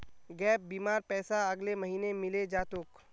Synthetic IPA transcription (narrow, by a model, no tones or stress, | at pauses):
ɡɛːp̚biːmaːɾpɛːsaɐɡlemɐɦiːnemɪled͡ʒaːt̪ʊk